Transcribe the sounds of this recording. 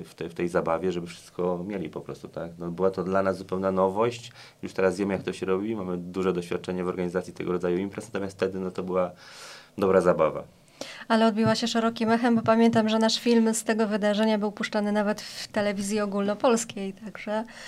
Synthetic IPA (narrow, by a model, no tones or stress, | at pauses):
ft̪ɛft̪ɛjzabavʲjɛʐɛbɘfʂɘst̪kʰɔmʲjelʲipɔpɾɔ̰st̪u̥t̪aknɔbɘwat̪ɔd̪lanazzupɛwnanɔvɔɕt͡ɕ | juʂt̪ɛɾazvʲjɛmɘjak̚t̪ɔɕɛɾɔbʲimamɘd̪uʐɛd̪ɔɕfʲat̪̚t͡ʂɛɲɛvɔɾɡaɲizat̪sʲjit̪ɛ̰ɡɔɾɔd̪zajuimpɾɛsnat̪ɔmʲjast̪ːɛd̪ɘnɔt̪ɔbɘwa | d̪ɔbɾazabava̰ | alɛɔd̪̚bʲiwaɕɛʂɛɾɔkʲimɛxɛmbɔpamʲjɛnt̪̬amʐɛnaʂfʲilmst̪ɛɡɔvɘd̪aʐɛɲabɘwpuʂt͡ʂanɘnavɛt̪ft̪ɛlɛvʲizʲjiɔɡulnɔpɔlskʲejt̪aɡʐɛ